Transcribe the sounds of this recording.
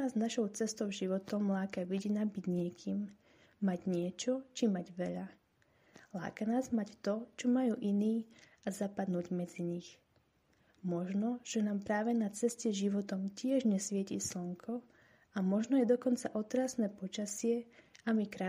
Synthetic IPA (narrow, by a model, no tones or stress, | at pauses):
aːznaʃɔʊt͡sɛst̪ɔʊʒiʋɔt̪ɔmlaːkaʋiɟinabiɟɲɪɛkʰiːmː | aɟɲɪɛt͡ʃɔt͡ʃimaɟʋɛʎa | la̰ːkanaːzmact̪ɔt͡ʃɔmajuːʔiniː | azapad̪nuːɟmɛd͡ziɲix | mɔʒnɔʒ̥ɛnaːmpɾaːʋɛnat͡sɛscɛʒiʋɔt̪ɔmcɪɛʒɲɛsʋɪɛcḭːslɔŋkʰɔ | amɔʒnɔjɛd̪ɔkɔnt͡saʔɔt̪ɾasnɛːpɔt͡ʃasɪɛamikɾa